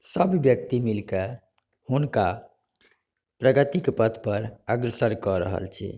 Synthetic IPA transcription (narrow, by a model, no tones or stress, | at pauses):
səbʱːjək̚t̪imilke | hunka | pɾəɡət̪ikpət̪ʰpəɾəɡɾəsəɾkɔɾə̰ɦə̰lt͡ʃʰḭ